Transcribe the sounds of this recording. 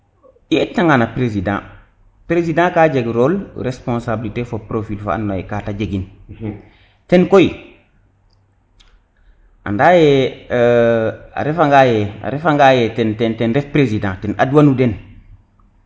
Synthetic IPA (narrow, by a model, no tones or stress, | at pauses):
jetːaŋanapɾezidã̰ː | pɾezidãːkaːɟeɡɾoːlɾespõnsabilitefopɾofilfa̰a̰nːoḛkaːtaɟeɡin | tenkoji | a̰ndaːjɛ | a̰ɾefaŋɡaːjɛa̰ɾefaŋɡajetɛntɛntɛnɾefpɾezidãtena̰duwanuden